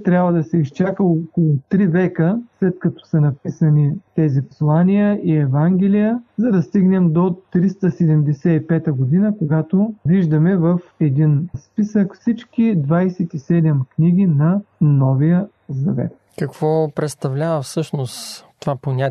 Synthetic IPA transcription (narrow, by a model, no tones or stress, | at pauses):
t̪ɾʲabvəd̪ɐsɛist͡ʃakəokolˠʊt̪ɾivɛkəslɛt̪kɐt̪ɔ̥sɐnɐpisənit̪ɛzipo̥slˠanʲijəʔiɛvaŋɡʲɛlijəzɐd̪ɐst̪iɡnɛmd̪ot̪ɾist̪əsɛd̪ɛmd̪ɛsɛipɛt̪əɡod̪inəkoɡat̪oviʒd̪ɐmɛvɐfɛd̪inspisəkfsit͡ʃkid̪vajsɛt̪isɛd̪ɛmkniɡ̟ʲinɐnɔvijə | zɐvɛ̰t̪ | kɐkv̥ɔpɾɛt̪st̪ɐvlʲavɐfsɤʃnost̪t̪ovaponʲat̪ʲ